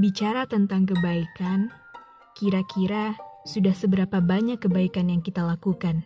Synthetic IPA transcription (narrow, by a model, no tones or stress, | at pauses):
bit͡ʃaɾat̪ənt̪aŋk̬əbaikan | kiɾakiɾasudahsəbəɾapabaɲakːəbaikanjaŋkit̪alakukan